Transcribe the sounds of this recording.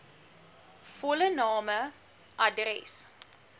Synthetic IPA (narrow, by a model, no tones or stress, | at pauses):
fɔlənɑːmə | ʔɐdrɛ̰s